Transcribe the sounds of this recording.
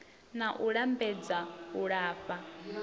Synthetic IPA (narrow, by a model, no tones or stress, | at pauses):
naʔuɺambɛd͡zauɺaːfa